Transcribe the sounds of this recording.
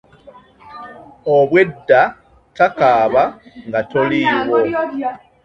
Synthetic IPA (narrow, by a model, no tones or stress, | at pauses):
oβwe̞dːa | takaːβaŋɡatoliːwo̞